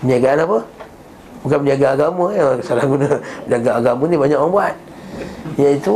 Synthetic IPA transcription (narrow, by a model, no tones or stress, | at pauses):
əniaɡaanapə | bukamədiaɡaːɡamajasalaɡunəədaɡaːɡamanibaɲaʔwaŋbuat̪̚ | jait̪u